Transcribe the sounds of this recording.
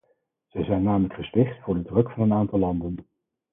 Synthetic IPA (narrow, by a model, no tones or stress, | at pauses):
z̥ɛjzɛjnːaːmələkχəspɪχtfʊːɹdədrɵkfɑnənaːntɑlˠːɑndən